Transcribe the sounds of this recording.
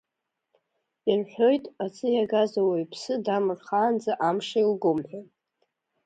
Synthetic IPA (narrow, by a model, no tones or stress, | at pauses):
irħʷᶣo̞jtʼat͡sʰʼɨjaɡazowejpʰsɨdamɨrχaːnd͡zaʔamʂailɡʊmħʷᶣa